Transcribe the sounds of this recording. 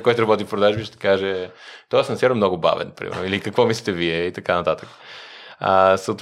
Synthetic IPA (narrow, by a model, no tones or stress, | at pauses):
kɔjt̪ʊɾɐbɔt̪ifpɾod̪aʒbiʃt̪ɛ̥kaʒɛt̪ɔasnsɛɾəmnɔɡʊba̰vɛ̰nɐpɾḭmɛɾ̰noilikəkvɔmislit̪ɛviɛit̪ɐkanɐt̪at̪əkə̥əsət̪